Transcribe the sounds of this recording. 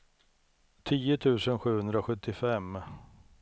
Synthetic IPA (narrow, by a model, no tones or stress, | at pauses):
t̪ʰiːʊt̪ʰʉ̟ːsənɧʉ̟ːhɵnd̪ɾaɔɧɵt̪ːɪfɛmː